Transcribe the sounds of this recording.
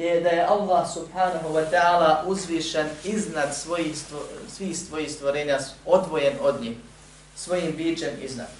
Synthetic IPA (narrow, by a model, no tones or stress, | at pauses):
jed̪ajeʔalˠːaːhsubhaːnaɦuwat̪ɛaːlaːʔuzʋiːʃeniznad̪sʋojiːst̪osʋiːhst̪ʋo̞jiːhst̪ʋoɾeːɲao̞d̪ʋo̞jeno̞d̪ɲiːh | sʋo̞jiːmbiːt͡ʃe̞mḭzna̰d̪̥